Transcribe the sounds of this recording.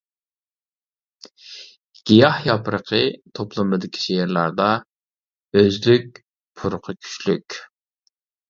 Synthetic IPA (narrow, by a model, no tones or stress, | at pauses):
ɡ̥ʲijɑhjɑpʰɾəqʰət̪ʰoplˠəmɨd̪ɪkʲʰi̥ʃeɾlˠɑɾd̪ɑ | øzlyk̚ʲ | pʰʊɾʊqʰəkʲʰy̥t͡ʃlykʲ